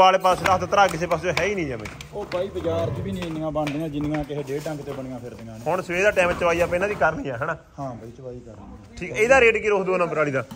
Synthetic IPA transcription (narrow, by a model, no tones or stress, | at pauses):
aːleːpasd̪aːt̪ot̪əɾaːkɪseːpaːsd͡ʒoɦɛːiːnĩːd͡ʒɛːmɛ̰̃ | oːbaːiːbəd͡ʒaːɾd͡ʒbiːnĩːɪnŋãːbə̃nd̪ɪŋɡãːd͡ʒɪnŋãːkɪɦeːɖeːʈə̃ŋkt̪ebəɳɪ̃ːɡãːpʰɪɾd̪ɪŋɡãɦʊɳsʋeːd̪aːʈɛ̃ːmt͡ʃəʋaːiːaːpãɪnaːd̪iːkəɾnəːɛːɦɛːnaːhãːit͡ʃəʋaːiːkəɾ | ʈʰiːkːeːd̪aːɾeːʈːkiɾoːkd̪uːnãːpəɾaːɽiːd̪aː